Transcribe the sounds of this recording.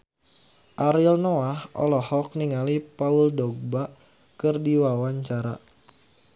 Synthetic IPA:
ʔaɾilnɔahɔ̰lɔhɔk̚niŋalipauldɔɡ̚ba | kɨrdiwawaɲt͡ʃaɾa̰

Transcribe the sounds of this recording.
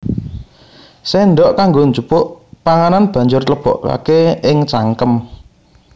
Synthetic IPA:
sɛnɖɔʔkaŋɡoɲd͡ʒupʊʔpaŋananb̥ä̤ɲd͡ʒʊrt̪əb̥ɔ̤ʔka̰keɪŋt͡ʃaŋkəm

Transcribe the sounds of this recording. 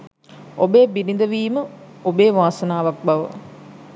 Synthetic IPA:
obeːbinind̪əʋiːmə | obeːʋaːsɐnaːʋak̚baʋə̰

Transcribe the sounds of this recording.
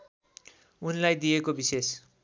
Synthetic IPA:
unlajd̪ijekobises

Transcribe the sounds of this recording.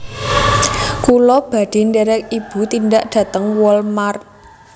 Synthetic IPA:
kulɔb̥a̤d̥i̤ndɛɾɛk̚ib̥ṳt̪indaʔɖ̥ä̤t̪əŋwɔlmar

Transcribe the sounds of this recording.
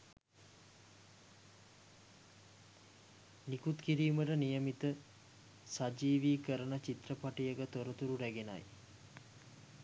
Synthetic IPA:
nikut̪kiɾiːməʈənijəmit̪ə | sad͡ʒiːʋiːkəɾənət͡ʃit̪rəpaʈijəɡət̪oɾət̪uɾuɾæɡena̰j

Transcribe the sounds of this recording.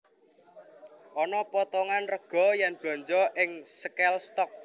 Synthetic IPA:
ʔɔnɔpɔt̪ɔŋanrəɡ̥ɔ̤janb̥lɔ̤ɲt͡ʃɔʔɪŋsəkɛlst̪ɔk̚

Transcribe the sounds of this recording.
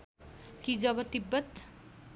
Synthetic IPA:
kid͡zʌbʌt̪ibːʌt̪

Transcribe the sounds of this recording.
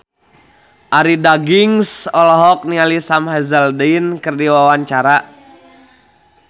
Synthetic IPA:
ʔaɾidaɡiŋsɔlɔɦɔk̚nialisamhɛzəldɛnkɨrdiwawaɲt͡ʃaɾa

